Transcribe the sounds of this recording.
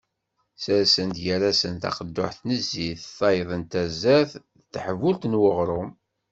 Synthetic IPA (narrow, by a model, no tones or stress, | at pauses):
səɾsənt̪jæɾæsənt̪ɑ̰qəd̪ːʊ̰ħθnəzːiθθɑjðˤənt̪æzæθ | θħəvult̪nwəʁɾˤʊm